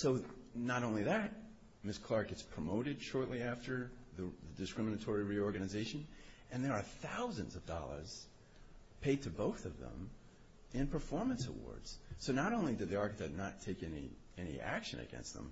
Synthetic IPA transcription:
soʊnəɾõʊ̃nliðɨt̚ | mɪskʰl̥ɑɹ̚ɡ̥ɛtspʰɹ̥əmoʊɾɨd̥ʃɔɹʔˡliæftə˞ðɨðɨdɨskɹɪ̃mənɨtʰɔɹiɹiɔɹɡɨnɨzeɪʃɨ̃n | ɨ̃nðə˞ːθaʊzɨ̰̃nzʌvdɑ̰lˠə̰˞z̥ | pʰeɪd̚tʰɨboʊθʌvðə̰̃m | ɪ̃npʰə˞fɔɹmɨ̃nsə̰wɔ̰ɹdz̥soʊnəɾõʊ̃nlidɨd̪̚ðiɑɹkɨtɨtⁿnətʰeɪkɛnḭ | ɛnḭʔæ̰kʃɨ̰̃nɨ̰ɡɛ̰̃nst̪̚ðə̰̃m

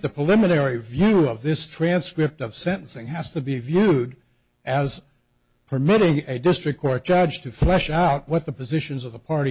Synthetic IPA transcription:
ðɨpʰɹ̥əlɪmɨnɛɹivjʉʌvðɪstʰɹ̥æ̃nskɹɪp̚tʌv̥sɛ̃ɾ̃n̩sɪ̃ŋɨz̥tɨbivjʉɾ | ɨz̥ | pʰə˞mɪɾɪ̃ŋɨdɪstɹ̥ɨkʰɔɹt̚d̥ʒ̥ʌdd͡ʒʒ̥tʰɨflɛʃaʊt̚wʌt̪̚ðəpɨzɪʃɨ̃nzʌvðəpʰɑɹɾi

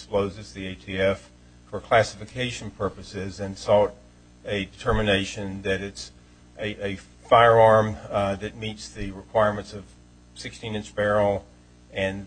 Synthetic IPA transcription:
sploʊzɨzðieɪtʰiɛf | fə˞kʰl̥æsɨfɨkʰeɪʃn̩pʰɜ˞pɨsɪzɨ̃nsɔlˠɾ | ɨdɨtʰɜ˞mɨneɪʃɨ̃nðɨɾɨts | ʔɨ | faɪə˞ɑɹmðɨt̚mitsðɨɹɨkʰw̥aɪɹmɨ̃ntsʌv̥ | sɪkstĩnɪ̃nt͡ʃb̥ɛɹl̩ˠ | ɨ̃n

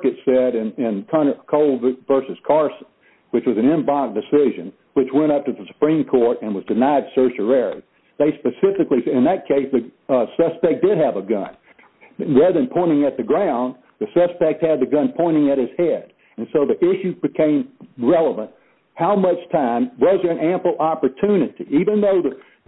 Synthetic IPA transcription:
kɨtsɛɾɨ̃nɪ̃nkʰʌ̃ñə˞kʰoʊlˠdvɜ˞sɨz̥kʰɑɹsn̩ | wɨt͡ʃwʌzɨ̃n̩ɪ̃mbɑ̃k̚d̥ɨsɪʒɨ̃n | wɨt͡ʃwɛ̃ɾ̃ʌp̚tɨðəsə̥pʰɹ̥ĩmkʰɔɹɾɨ̃nwʌzdɨnaɪd̥sɜ˞ʃə˞ɛɹḭ | ðeɪspɨsɪfɨkliɨ̃nðɨt̚kʰeɪsðɨsʌspɛk̚d̥ɨɾ̚ɨvəɡʌ̰̃n | ɹæðɨ̃npʰɔ̃ɪ̃ɾɪ̃ŋɨt̪̚ðɨɡɹãʊ̃n | ðɨsʌspɛk̚t̚hɨd̪̚ðɨɡʌ̃npʰɔ̃ɪ̃ɾ̃ɪ̃ŋɨɾ̚hɨz̥hɛɾ | ɨ̃nsoʊðiʔɪʃʉbɨkʰẽɪ̃mɹɛlˠəvə̃nt̚ | haʊmʌt͡ʃtʰãɪ̃mwʌzðə˞ɨ̃næ̃mpl̩ˠɑpə˞tʰʉnɨɾḭʔivɨ̃nðoʊðɨ

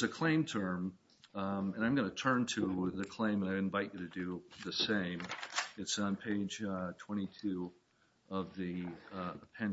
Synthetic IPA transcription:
zɨkʰl̥ẽɪ̃mtʰɜ̃˞m | ɨ̃nãɪ̃mɡʌnɨtʰɜ̃˞ntʰɨðɨkʰl̥ẽɪ̃mə̃naɪɨ̃ɱvaɪt͡ʃɨɾɨdɨðɨsẽɪ̃mɨtsn̩pʰeɪdd͡ʒtʰw̥ɛ̃ɾ̃itʰʉ | ʌvði | pʰɛ̃n

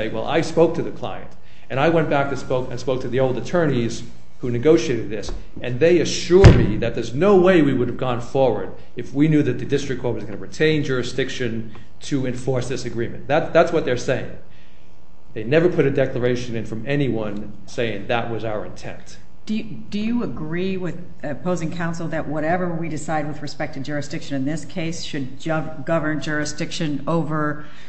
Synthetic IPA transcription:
eɪwɛ̰lˠʔa̰ɪspoʊk̚tʰɨðɨkʰl̥a̰ɪɨ̰̃nt | ɨ̃ɾ̃aɪwɛ̃nb̥æk̚tʰɨspoʊkɨ̃nspoʊk̚tʰɨðioʊlˠdɨtʰɜ̃˞niz̥ | hunɨɡoʊʃieɪɾɨd̪̚ðɪs | ɨ̃nðeɪɨʃʊɹd̚miðɨt̪̚ðə˞znoʊweɪwiwʊɾɨvɡɔ̃nfɔɹwə̰˞ɾ | ɨfwinjʉðɨt̪̚ðɨdɪstɹ̥ɨk̚ʰɔɹt̚wʌzɡʌ̃nɨɹɨtʰẽɪ̃nd͡ʒʊɹɨsd̥ɪkʃɨ̃n | tʰɨɨ̃ɱfɔɹsðɪsɨɡɹĩmɨ̰̃nðætðætswʌt̪̚ðə˞seɪɪ̰̃ŋ | ðeɪnɛvə˞pʰʊɾɨdɛklə˞eɪʃɨ̃nɨ̃nfɹʌ̃mɛniwʌ̃n | seɪɪ̃ŋðəʔ̚wʌzaʊə˞ɨ̰̃ntʰɛ̰̃nt | d̥ɨ | d̥ɨjɨəɡɹiwɪð | pʰoʊzɪ̃ŋkʰãʊ̃nsl̩ˠðɨʔ̚wʌɾɛvə˞widɨsaɪd̚wɨðɹɨspɛk̚tʰɨd͡ʒʊɹɨsd̥ɪkʃɨ̃nɨ̃nðɪskʰeɪsʃɨd̚ | ʌ | ɡʌvə̃˞nd͡ʒʊɹɨsd̥ɪkʃɨ̃noʊvə˞

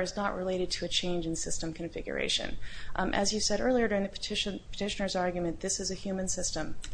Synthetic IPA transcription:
ɨznəʔɹʔɪleɪɾɨd̚tʰɨːt͡ʃʰẽɪ̃nd͡ʒɨ̃nsɪstə̃mkʰɨ̃ɱfɪ̰ɡjə̰˞ʔḛɪʃɨ̰̃nʔɨ̰zjɨv̥sɛɾɜ˞lˠiə˞dʊɹɪ̃ŋðɨpʰə̥tʰɪʃnpʰə̥tʰɪʃɨnə˞zɑɹɡjmɨ̃nðɪsɨzɨhjʉmɨ̃nsɪstə̃m

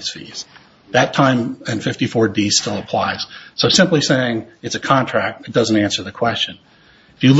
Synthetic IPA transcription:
z̥fḭz̥ | ðɨtʰãɪ̃mɨ̃nfɪftifɔɹdistɪlˠəpʰl̥aɪz̥soʊsɪ̃mpliseɪɪ̃ŋɨtsɨkʰɑ̃ntʰɹ̥æk̚t̚ɨt̚d̥ʌz̃n̩tæ̃nsə˞ðɨkʰw̥ɛst͡ʃɨ̃n | ɨfjɨl

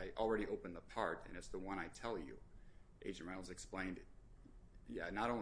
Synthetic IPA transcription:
ɪʔl̩ˠɹɛɾiʔoʊpɨ̃nðəpʰɑɹɾɨ̰̃nɨtsðəwʌ̃ñaɪtʰɛlˠjʉ̰ʔḛɪd͡ʒɨ̃n̚ɹãɪl̩ˠzɨksplẽɪ̃nd | jæ̰nəɾõʊ̃

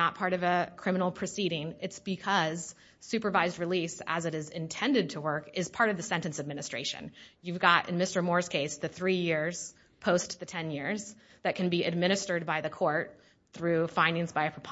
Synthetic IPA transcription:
ət̚pʰɑɹɾʌvɨkʰɹ̥ɪ̃mənl̩ˠpʰɹ̥ɨsiɾɪ̃ŋɨtsb̥ɨkʰʌz̥ | sʉpə˞vaɪzd̚ɹɨlisə̰zɨɾɨzɨ̃ntʰɛ̃ndɨd̚tʰəwɜ˞kɪz̥pʰɑɹɾʌvðɨsɛ̃ntɨ̃n̩sɨd̚mɪñɨstɹ̥eɪʃɨ̰̃njʉvɡɑɾɨ̰̃nmɪstə˞mɔɹz̥kʰeɪsðɨθɹijɪɹz̥ | pʰoʊsðɨtʰɛ̃njɪɹz | ðɨt̚kʰɨ̃n̩biʔɨd̚mɪ̃ɾ̃ɨstə˞d̚baɪðɨkʰɔɹt̪̚ | θɹʉfãɪ̃ndɪ̃ŋzb̥aɪɨpʰɹ̥əpʰ

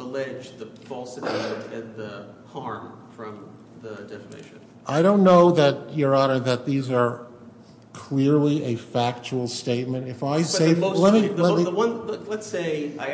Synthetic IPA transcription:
əlɛd͡ʒðɨfɔlˠsɨbɪɨɾɨ̃nðɨhɑɹm | fɹʌ̃m | ðədɛfəmḛɪʃɨ̃n | ʔaɪɾõʊ̃nːoʊðɨt͡ʃə˞ɑɾ̃nðɨt̪̚ðizə˞ | kʰl̥ɪɹliʔɨfæk̚t͡ʃul̩ˠsteɪt̚mɨ̃ntɨfaɪseɪlɛt̚milɛmiwʌ̃nllətseɪaɪ

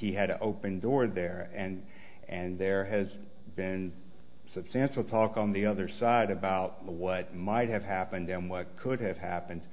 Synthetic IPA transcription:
hiɨɾɨʔoʊpɨ̃ndɔɹðə˞ɨ̃n | ɨ̃nðə˞ɨz | bɪ̃n | sɨb̥stæ̃nʃl̩ˠtʰɔkn̩ðiʌðə˞saɪɾɨbaʊt̚ | wʌt̚maɪt̚hɨv̥ɦæpɨ̃ndɨ̃nwʌt̚kʰʊd̚ɨv̥æpɨ̃nd̥

